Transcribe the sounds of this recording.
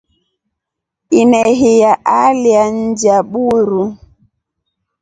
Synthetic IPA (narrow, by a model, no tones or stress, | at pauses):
inɛɦijaʔalian̩d͡ʒaɓuɾu